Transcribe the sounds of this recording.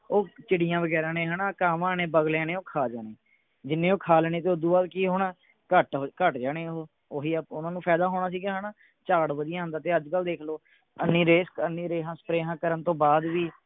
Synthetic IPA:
oːt͡ʃɪɽɪjãːʋəɡɛːɾãːnẽːɦəːnaːkaːmãːneːbəɡljãːnẽːoːkʰaːd͡ʒaːneː | d͡ʒɪnːẽːoːkʰaːlɛːneːt̪eːʊd̪uːbaːd̪kiːɦonaː | kəʈɦokəʈd͡ʒaːneːɦoː | oːɦiːpʊnãːnũːpʰɛːd̪aːɦoːɽaːs̬iːɡãːɦənaː | t͡ʃaːɽʋəd̪ɪjãːɦənd̪aːt̪eːəd͡ʒkəld̪eːkʰloː | ənːiːɾeːskənːiːɾeːɦãːsə̥pɾeːɦãːkəɾənt̪õːbaːd̪ʋiː

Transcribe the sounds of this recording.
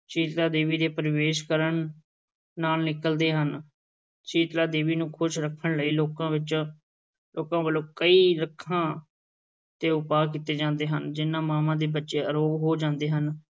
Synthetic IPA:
t͡ʃiːʈ̪laːd̪eːʋiːd̪eːpəɾʋeːʃkəɾəɳː | aːlnɪkəld̪eːɦən | t͡ʃiːʈ̪laːd̪eːʋiːnũːkʰʊʃɾəkʰːəɳləiːloːkãːʋɪt͡ʃ | loːkãːbəloːkəiːɾəkʰːãː | t̪eːʊpaːkiːt̪eːd͡ʒãːnd̪eːɦənd͡ʒɪnːãːmaːmãːd̪eːbətːʃeːəɾoːɡɦoːd͡ʒãːnd̪eːɦən

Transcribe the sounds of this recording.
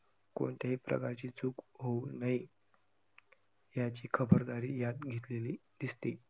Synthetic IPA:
ko̰ɳt̪jaɦiːpɾʔə̰kaɾt͡ɕiːt͡suːkɦounaɦi | jat͡ɕiːkʰəbəɾd̪aɾiːjad̪ɡʱet̪lelid̪̥ist̪e

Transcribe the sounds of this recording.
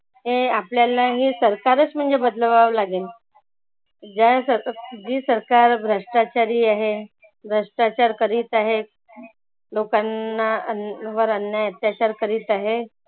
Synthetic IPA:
ɦeapljalaɦiːsəɾkaɾət͡sm̤əɳd͡zebəd̪ləʋaʋlaɡel | d͡ʑasəd͡ʑiːsəɾkaɾbɾəʂʈat͡ɕaɾiːaɦe | bɾəʂʈat͡ɕaɾkəɾiːt̪aɦe | lokanːaəʋəɾənjajət̪jat͡ɕaɾkəɾiːt̪aɦe

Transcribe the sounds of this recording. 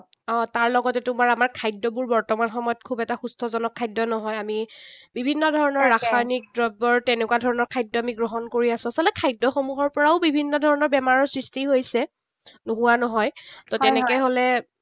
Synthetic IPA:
ɔ̃taɹlɔɡɔtɛtumaɹamaɹkʰajdːɔbuɹbɔɹtɔmanxɔmɔjɔt̚kʰubɛtaxustʰɔzɔnɔkʰːajdːɔnɔɦɔjamibibʱinːɔdʱɔɹɔnɔɹːaxʰanik̚dɹɔbɔɹtɛnɛkwadʱɔɹɔnɔɹkʰajdːɔamiɡɹoɦɔnkoɹiasʊ̃asɔltɛkʰajdːɔxomuɦɔɹpɔɹaʊbibʱinːɔdʱɔɹɔnɔɹbɛmaɹɔɹsɹistiɦojsɛ | noɦuwanɔɦɔjtɔtɛnɛkɛjɦolɛ

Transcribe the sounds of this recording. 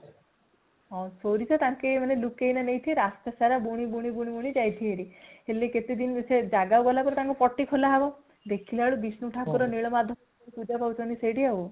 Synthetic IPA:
ɔ̃soɾit͡ʃɔt̪ãŋkemanelukejnanejt̪ʰieɾast̪asaɾabuɽ̃ibuɽ̃ibuɽ̃ibuɽ̃id͡ʒajt̪ʰieɾiheleket̪ed̪insed͡ʒaɡawɡɔlapɔɾet̪aŋkupɔʈːikʰolaɦabɔ | d̪ekʰileɦaɭubisnuʈʰakɔɾɔniɭɔmad̪ʱːɔɔ | epud͡ʒapaut͡ʃɔniseɽiau

